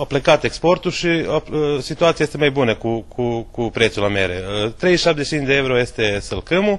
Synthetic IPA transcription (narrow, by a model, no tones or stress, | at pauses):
oplekat̪eksport̪uʃiosit̪uat̪iejest̪emajbunekukʰukupɾet̪sulamḛɾet̪ɾejiʃap̪̚d̪et͡ʃinʲd̪eewɾojest̪esəlkɨmu